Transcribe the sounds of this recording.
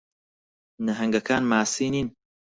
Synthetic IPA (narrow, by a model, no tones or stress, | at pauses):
nɐɦɐŋɡɐkʰaːnmaːsiːniːn